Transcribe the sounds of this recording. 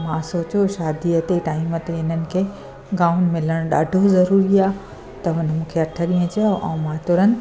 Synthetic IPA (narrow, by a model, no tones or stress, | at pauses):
mãsoːt͡ɕoʃaːd̪iɐt̪eʈaːimət̪eɪn̤ənɪ̆kʰeː | ɡaːʊn̆mɪləɽ̃ɗa̰ːɖʱozɐɾuːɾiaː | t̪ɐɦʊnmũːkʰeɐʈʰəɗiːə̃d͡ʑeoʔɐ̃ːmãːt̪ʊɾə̃n